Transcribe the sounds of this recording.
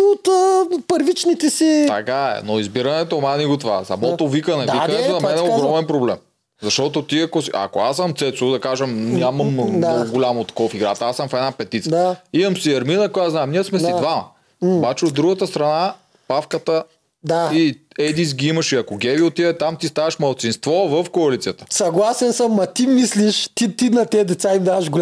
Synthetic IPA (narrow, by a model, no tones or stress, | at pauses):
ot̪əpəɾvit͡ʃnit̪ɛsit̪ɐkaɛ̰noizbiɾɐnɛt̪omaniɡot̪vasɐmɔt̪ovikənɛvikɐnɛt̪onɐmɛnɛoɡɾɔmɛnpɾoblɛm | zɐʃt̪ɔt̪ot̪iɐkosiɐ̰koasːəmt̪sɛt̪sod̪ɐkaʒɐmnʲamɐmoɡoɡolʲamot̪ːɐ̥kɔvɐfiɡɾat̪ɐasəmfɛd̪napɛt̪it̪simɐmsiɐɾminɐkojaznaɛmniəsmɛid̪vamɐ | obat͡ʃɛod̪ːɾuɡət̪əst̪ɾɐna | pafkət̪ə | d̪aiɛd̪is̬ɡʲiimɐʃiɐkoɡʲɛviot̪ivɛt̪amt̪ist̪avɐʃmɐlˠt̪sinst̪vɔvəfkoɐlit̪sijət̪ə̥sɐɡlˠasɛnsəmːɐt̪imisliʃt̪it̪inɐt̪ɛd̪ɛt̪saimd̪avəʃɡʊ